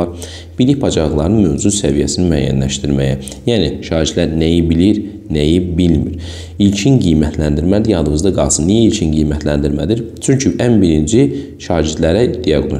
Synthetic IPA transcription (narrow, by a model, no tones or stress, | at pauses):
ɑɾ | b̥iliçpʰɑd͡ʒɑɯlˠɑɾɯnmøvzuzsævijæsinimyæ̰ːjːæ̰nlæʃt̪iɾmæjæ | jæːniʃɑːɾit̪læɾnæjibiliɾ | næjibilmiɾ | ilcʰinɡijmæt̪ʰlænd̪iɾmæd̪ijɑd̪ɯmɯzd̪ɑɡɑlˠsɯnːijæilcʰinɡijmæt̪ʰlænd̪iɾmæd̪iɾt͡ʃʰyɲcʰyʔænbiɾind͡ʒi | ʃɑːd͡ʒid̪læɾæd̪̥ijɑɡno